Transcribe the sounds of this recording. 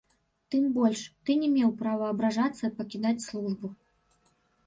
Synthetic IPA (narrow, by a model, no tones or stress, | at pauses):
t̪ɨmbɔlʲʂt̪ɨnʲɛmʲɛwpɾavɐːbɾaʐat̪sːɐipɐkʲid̪at͡sʲslˠuʐbu